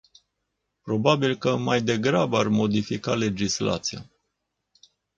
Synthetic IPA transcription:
pɾo̞babilkəmajd̪e̞ɡɾabəarmo̞d̪ifikale̞d͡ʒisla̰t̪sija̰

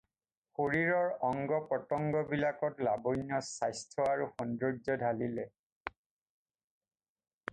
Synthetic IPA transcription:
xoɹiɹɔɹɔŋɡɔpɹɔtɔŋɡɔbilakɔtlabojnɔsajstʰɔaɹuxɔndɹɔzɔdʱalilɛ

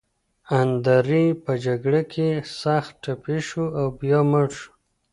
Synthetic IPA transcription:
and̪aɾipəd͡ʒaɡɽakʰesaxt̪̚ʈapiʃuawbjɑməɽʃu̥

